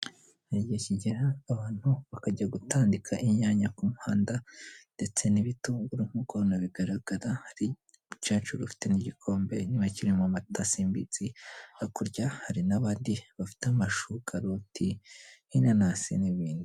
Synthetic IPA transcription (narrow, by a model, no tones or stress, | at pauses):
neɟiheciɟiɾaːβaːn̥huβakaɟaɡutʰaːndikʰaʔiɲaːɲakumuhaːndande̞t͡se̞niβituɡuɾum̥ukonaβiɡaɾaɡ̥aɾahaɾi | t͡ʃaːt͡ʃuɾufi̥te̞niɟikʰo̞ːmbe̞̰nimaciɾimuamatasiːmbit͡siakuɾɟahaɾinaβaːndiβafi̥teamaʃukʰaɾotihinanasḭniβiːnduu